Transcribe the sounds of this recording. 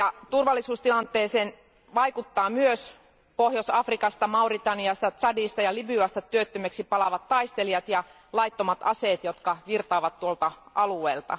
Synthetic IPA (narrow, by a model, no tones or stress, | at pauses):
jɑt̪urʋɑlːisuːst̪ilɑnt̪ˑeːseːn | ʋɑikut̪ːɑːmyøs | pohjosɑfrikɑst̪ɑmɑurit̪ɑniɑst̪ɑt̪sɑdist̪ɑjɑlibyɑst̪ɑt̪ːyøt̪ːømeksipɑlɑʋɑt̪ːɑist̪elijɑt̪jɑ | lɑjt̪ːomɑt̪ɑseːt̪jot̪kɑʋirt̪ɑːʋɑt̪t̪ːuolt̪ɑʔɑlueːlt̪ɑ̰